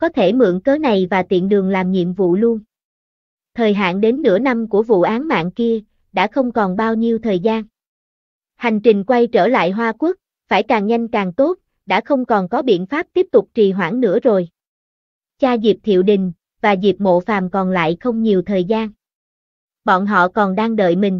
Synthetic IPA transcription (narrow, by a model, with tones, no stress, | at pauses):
kɔ˨˦t̪ʰe˧˩mɨ̰˧˥əŋkəː˨˦na˨˩jvaː˨˩t̪ḭ˧˨ənɗɨ˨˩əŋlaː˨˩mɲḭ˧˨əmvṵ˧˨lu˧ən | t̪ʰəː˨˩jɦa̰ː˧˨nɗe˨˦nːɨ̰˧˥əna˧mku˧˩əvṵ˧˨ʔaː˨˦nma̰ː˧˨nki˧ə | ɗa̰ː˧˥xə˧wŋ͡mkɔ˨˩nɓaː˧wɲi˧əwt̪ʰəː˨˩jzaː˧n | ha˨˩jŋ̟t͡ɕï˨˩ŋ̟kwa˧jt͡ɕəː˧˩la̰ː˧˨jɦwaː˧kwu˦˥k̚ | faː˧˩jkaː˨˩ŋɲa˧jŋ̟kaː˨˩ŋt̪o˦˥t̚ | ɗa̰ː˧˥xə˧wŋ͡mkɔ˨˩nkɔ˨˦ɓḭ˧˨ənfaː˦˥p̚t̪i˦˥əp̚t̪ʊ˨˩k͡p̚t͡ɕi˨˩ɦwaː˧˩ŋnɨ̰˧˥əzo˨˩j | t͡ɕaː˧zi˨˩p̚t̪ʰḭ˧˨əwɗï˨˩ŋ̟ | vaː˨˩zi˨˩p̚mo̰˧˨faː˨˩mkɔ˨˩nla̰ː˧˨jxə˧wŋ͡mɲi˨˩əwt̪ʰəː˨˩jzaː˧n | ɓɔ̰˧˨nɦɔ̰˧˨kɔ˨˩nɗaː˧ŋɗə̰ː˧˨jmï˨˩ŋ̟